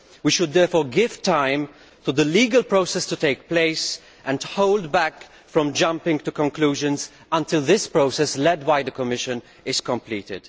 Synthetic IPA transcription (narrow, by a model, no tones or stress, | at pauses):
wiʃʊd̪̚ðɛːɹfɔːɹɡɪv̥tãɪ̃m | tuðəliːɡəlpɹoʊsɛstuteɪkpleɪs | ʔɛ̃ndhoʊld̚bæk | fɹɔ̃md͡ʒʌ̃mpɪ̃ŋtukɔ̃nkluːʒə̃nz | ə̃ntɪlˠðɪspɹoʊsɛslɛd̚baɪðəkɔmɪʃɨ̃n | ɪz̥kɔ̃mplḭːtɪ̰d̥